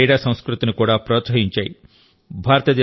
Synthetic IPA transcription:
jɽaːsɐ̃w̃skɾut̪inukuːɽaːpɾot̪sɐɦiɲt͡ʃaːji | bʱaːɾɐt̪iɐd̪e

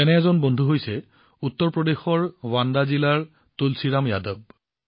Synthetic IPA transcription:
ɛnɛɛzɔnbɔndʱuɦojsɛ | utːɔɹpɹɔdexɔɹwandazilaɹ | tolsiɹamjadɔb̚

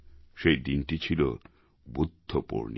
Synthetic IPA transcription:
ʃejd̪inʈit͡ɕʰilo | bud̪ʱːopo̰ɾni

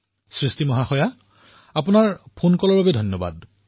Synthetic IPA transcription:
sɹistimɔɦaxɔja | apʊnaɹpʰonkɔlɔɹbabɛdʱɔnjɔba̰d

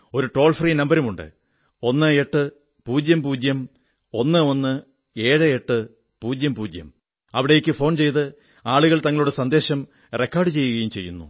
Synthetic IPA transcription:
o̞ɾuʈo̞ːlfriːnɐmbɐɾumuɳɖɨ̰ | o̞nːɨe̞ʈːɨ | puːd͡ʑjɐmpuːd͡ʑjɐm | o̞nːɨo̞nːɨ | eːɻɨeʈːɨ | puːd͡ʑjɐmpuːd͡ʑjɐ̰m | ɐʋiɽejekʲːɨfo̞ːnt͡ɕe̞jt̪ɨ | aːɭuɣɐɭt̪ɐŋːɐɭuɽesɐnd̪e̞ːɕɐm | rekːaːrɖɨt͡ɕe̞jːuɣɐjumt͡ɕe̞jːunːṵ

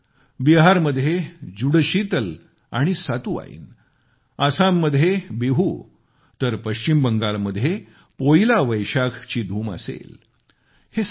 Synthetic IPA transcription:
biɦaɾməd̪ʱjed͡ʑuɽɕit̪əl | a̰ɽ̃isat̪uːa̰ḭːn | asamːəd̪ʱjebiɦu | t̪əɾpəɕt͡ɕimbəŋɡaɭməd̪ʱje | poilaʋəjɕakʰt͡ɕiːd̪ʱuːmə̰sḛl | he

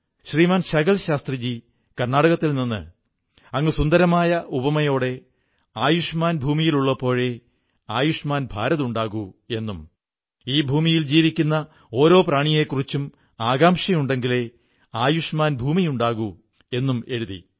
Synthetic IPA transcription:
ɕriːmaːnɕɐɣɐlɕaːst̪rid͡ʑi | kɐrnaːɽɐɣɐt̪ːilninːɨ̰ | ɐŋːɨsund̪ɐɾɐmaːjɐʔubɐmɐjo̞ːɽe̞ | aːjuʂmaːnbʱuːmijiluɭːɐpo̞ːɻe | aːjuʂmaːnbʱaːɾɐðuɳɖaːɣue̞nːum | iːbʱuːmijild͡ʑiːʋikʲːunːɐ | o̞ːɾo̞ːpraːɳije̞kːurit͡ɕːum | aːɡaːmʂɐmuɳɖe̞ŋɡile̞ | aːjuʂmaːnbʱuːmijuɳɖaːɣu | e̞nːume̞ɻuðḭ

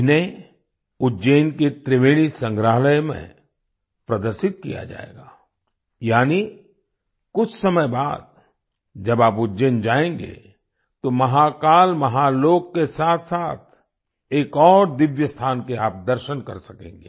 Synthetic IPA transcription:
ne | ʊd͡ʒeːnket̪ɾɪʋeːɭ̃isɐ̃ŋɡɾəːɦləjmḛ̃ | pɾɐd̪əɾʃɪt̪̚kḭja̰d͡ʒa̰ːḛːɡaː | jaːni | kʊt͡ʃʰsɐməjbaːd̪̚ | d͡ʒɐbaːpʊdd͡ʒeːnd͡ʒaːẽːŋɡḛ | t̪omɐɦakaːlmɐɦaloːɡ̚kesaːt̪ʰsaːt̪̚ʰ | eːkɔːɾd̪ɪʋjəst̪ʰaːnkeaːp̚d̪əɾʃənkɐ̰ɾsɐkḛ̃ːŋɡḛː

